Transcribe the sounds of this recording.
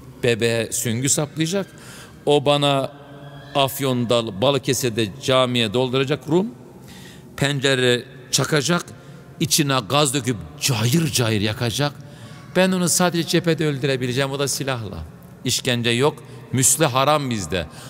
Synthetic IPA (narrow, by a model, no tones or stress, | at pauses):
b̥ebɛɛsyɲɟysaplˠɯjad͡ʒak | o̞banaː | fjo̞nd̪alˠbalˠɯcʰesɛd̪ɛd͡ʒaːmijɛd̪o̞lˠd̪uɾad͡ʒakɾum | pʰænd͡ʒeɾɛ | t͡ʃʰakʰad͡ʒak | it͡ʃʰinaɡazd̪ø̞kypd͡ʒaːjɯɾd͡ʒaːjɯɾjakʰad͡ʒak | b̥ænonusaːd̪ed͡ʒɛd͡ʒepɛd̪ɛølʲd̪yɾebilʲed͡ʒɛmo̞d̪asilʲaɦlˠa̰ | iʃcænd͡ʒɛjok | myslʲɛɦaɾambizd̪ɛ̰